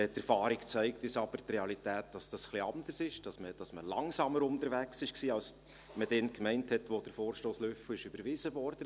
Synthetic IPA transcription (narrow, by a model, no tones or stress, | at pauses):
tɛɾfɑːɾikt͡sæɪk̚tɪsɑb̥əɾtreɑlitæːt̚d̥ɑsd̥ɑsχliɑndərsɪʃd̥ɑsməd̥ɑsməlɑŋsɑməɾʊnt̪əɾvæksɪʃksiːɑls | məd̥ɛnkmɛɪnthɛtʋod̥əɾfoːɾʃtoːsløfəɪʃybəɾvɪzəvɔrd̥ə